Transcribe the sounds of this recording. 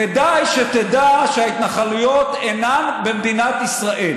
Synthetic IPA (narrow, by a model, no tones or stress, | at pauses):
ked̪ajʃet̪ed̪aʃeait̪naχalujo̞t̪enanbemd̪inat̪isʁaʔel